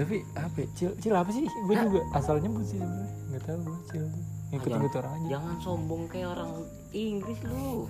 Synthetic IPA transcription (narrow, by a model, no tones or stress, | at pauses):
t̪apiapɛt͡ʃɪlt͡ʃilapasɪhɡuad͡ʒuɡaasalɲabusɪhsamuɛ | ŋɡat̪aut͡ʃɪlt̪u | ipət̪ːŋɡut̪uoɾaŋad͡ʒad͡ʒaŋansɔmbɔŋkajaoɾaŋ | iŋɡlɪslu